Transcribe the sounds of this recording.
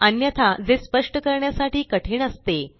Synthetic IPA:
ənjət̪ʰad͡zespəʂʈəkəɾɳjasaʈiːkəʈʰiːɳəst̪e

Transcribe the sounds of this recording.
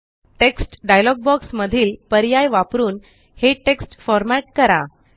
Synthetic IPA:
ʈeksʈɖajlɔɡ̚bɔksməd̪ʱiːlpəɾjajʋapɾuːn | heʈeksʈfɔɾmæʈkəɾa

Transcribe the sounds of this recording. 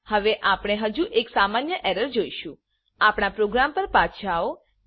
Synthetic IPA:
həʋeʔapɽ̃eɦəd͡ʒuʔeksamanjəʔɛɾəɾd͡ʒoiʃũ | apɳ̃apɾoɡɾampəɾpat͡ʃʰao

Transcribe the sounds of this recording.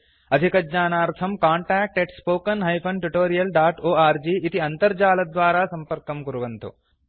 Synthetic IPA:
ɐd̪ʱikɐdd͡ʒaːnaːɾt̪ʰɐmkaːɳʈɛːk̚ʈeʈspoːkɐnɦɐjpʰɐɳʈuʈoːɾijɐlɖaːʈoːaːɾd͡ʒiːʔit̪iɐnt̪ɐɾd͡ʒaːlɐd̪ʋaːɾaːsɐmpɐɾkɐmkuɾuʋɐnt̪ṵ

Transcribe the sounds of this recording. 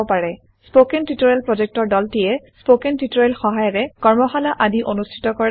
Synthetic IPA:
paɹɛ | spokɛntitoɹɛlpɹɔd͡ʒɛk̚tɔɹdɔltijɛspokentitoɹalxɔɦajɔɹɛkɔɹmɔxalaʔadiʔonustʰi̥tɔkɔɹ

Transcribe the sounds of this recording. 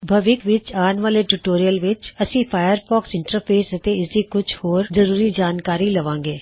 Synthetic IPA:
bʱəʋɪkʋɪt͡ʃaːnʋaːleʈuːʈoːɾijəlʋɪt͡ʃəsĩːpʰaːjəɾpʰɔːksɪ̃ɳʈəɾpʰeːsət̪eɪsd̪iːkʊt͡ʃʰhoːɾzəɾuːɾiːd͡ʒaːnkaːɾiːləʋãːŋɡeː

